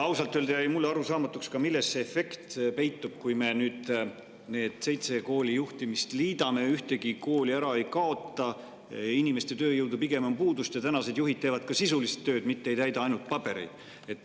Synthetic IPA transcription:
ɑwsɑlt̪ːˑøld̪eɑimulːeɑɾusɑːmɑt̪ːˑukskɑmilːest̪ːseːfe̞kt̪pe̞jt̪ːˑub̥̚kujme̞nyːd̪̥ | ne̞ːd̪̥se̞jt̪se̞ko̞ːlʲijuht̪imist̪liːd̪ɑme̞yht̪e̞ɡiko̞ːlʲiæɾɑe̞jkɑo̞t̪ˑːɑ | inime̞st̪e̞t̪ø̞ːjɤwd̪upiɡe̞mompuːd̪ust̪jɑt̪ænɑse̞d̪̥juɦid̪̥̚t̪eːvɑd̪̚kɑsisulist̪ːø̞ːd̪mit̪ːeejt̪æjd̪ɑɑjnult̪̚pɑbe̞ɾḛjd̪̥ | e̞t̪ːˑ

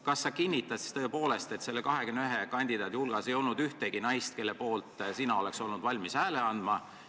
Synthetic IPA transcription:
kɑsːɑkinʲːit̪ːˑɑsi̥st̪ɤ̞ːpo̞ːle̞st̪e̞t̪se̞lːekɑɦe̞kymneyɦekɑnʲd̪id̪ɑːd̪ihulɡ̥ɑse̞jo̞lnud̪̥yht̪eɡ̥inɑjst̪̚ke̞lːepo̞ːlt̪ˑsinɑo̞le̞kso̞lnud̪̥vɑlʲmisæːleɑnd̪̥mɑ

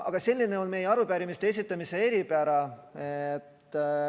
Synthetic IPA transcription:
ɑ̰ɡ̥ɑselʲːine̞o̞nme̞jeɑɾupæːɾimist̪ees̬ʲit̪ˑːɑmise̞e̞ɾipeæɑɾɑet̪ː

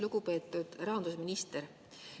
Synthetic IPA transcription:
luɡ̥upe̞ːt̪ːˑud̪̥rɑɦɑnd̪usminist̪eɾ

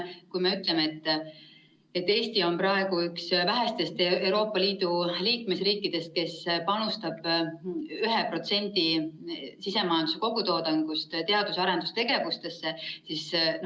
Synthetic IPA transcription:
kujme̞yt̪lemeet̪ːˑ | e̞t̪ːe̞ːst̪io̞nprɑe̞ɡuyksvæɦæst̪e̞st̪eewɾo̞ːpːˑɑliːd̪̥uliːkme̞sriːkːˑid̪̥e̞st̪̚ke̞spɑnust̪ɑb̥ | yɦepro̞t̪se̞nʲd̪i | sise̞mɑjɑnd̪̥use̞ko̞ɡut̪o̞ːd̪ɑŋɡ̥ust̪t̪e̞ɑd̪usɑɾend̪ust̪e̞ɡ̥e̞vust̪e̞sːe̞sis

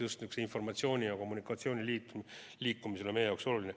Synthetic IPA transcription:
just̪nyksinfo̞rmɑt̪sio̞ːnʲijɑko̞mːunikːˑɑt̪sio̞ːnʲiliːt̪ | liːkːumiseemejejɑwkso̞luline

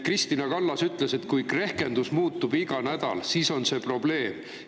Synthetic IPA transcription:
krist̪inɑkɑlːɑsyt̪ːˑle̞se̞t̪kujkre̞hke̞nd̪usmuːt̪ːˑub̥iɡ̥ɑnæd̪̥ɑ̰lsiːso̞nse̞ːpro̞b̥le̞ːm

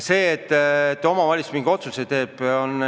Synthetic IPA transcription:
se̞ːet̪ːet̪ːo̞mɑvɑlʲit̪smiŋɡ̥eo̞t̪suse̞jt̪e̞ːb̥on

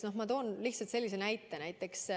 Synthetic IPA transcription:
no̞hmɑt̪o̞ːnlihtsɑlt̪se̞lʲːisenæjt̪ːˑe̞næjt̪ːˑe̞ks

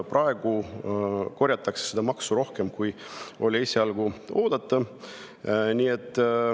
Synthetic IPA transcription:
prʔɑe̞ɡ̥u | ko̞ɾʲjɑt̪ːˑɑkse̥sed̪ɑmɑksuɾo̞hke̞mkuj | o̞lʲiesʲeɑlɡ̥uo̞ːd̪̥ɑt̪ˑːɑ | niːe̞t̪ˑː

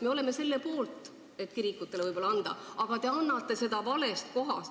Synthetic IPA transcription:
me̞o̞le̞me̞se̞lːe̞po̞ːlt̪ˑ | e̞t̪kiɾikːˑut̪ːeleɯjbo̞lɑɑnd̪̥ɑ̰ʔɑɡ̥ɑt̪e̞ɑnːɑt̪ːˑe̞se̞d̪̥ɑvɑle̞st̪̚ko̞ɦɑ̰s

